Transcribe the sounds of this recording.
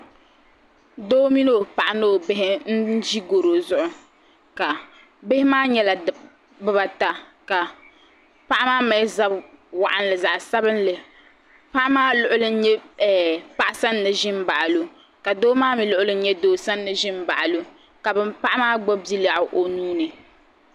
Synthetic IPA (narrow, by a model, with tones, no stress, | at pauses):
doː˦mi˦no˦˨pa˨ʔa˨no˦o˨bɪ˦ɦɪ˦n̩˦d͡ʒi˦ɡo˨ɾo˨zʊ˦ʔʊ˦ | ka˨ | bɪ˦hɪ˦maː˦ɲɛ˦la˨ | bɨ˦ba˨ta˨ka˨ | pa˦ʔa˦maː˦ma˨˦za˦bwa˨ʔa˦n˦lɨ˨za˨ʔsa˦bɨ˦n˦lɨ˨ | pa˦ʔa˦maː˦lʊ˦ʔʊ˦lɨ˦n̩˦ɲɛ˦ɛ˨pa˦ʔa˦sa˦nːɨ˨ʒɪ˦m˦ba˨ʔa˨lu˨ | ka˨doː˦maː˦mi˨lʊ˦ʔʊ˦lɨ˦n̩˦ɲɛ˦doː˦sa˦nː˦ɨ˨ʒɪ˦m˦ba̰˨ʔa˨lu˦ | ka˨bɨ˦mpa˦ʔa˦maː˦ɡ͡bɔ˦bi˦la˨ʔʊ˨ʔo˨nuː˦nɨ˨